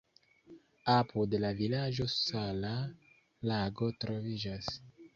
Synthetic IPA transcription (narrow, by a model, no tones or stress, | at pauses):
apʰudelavilad͡ʒo̞sala | laɡo̞tɾo̞vid͡ʒas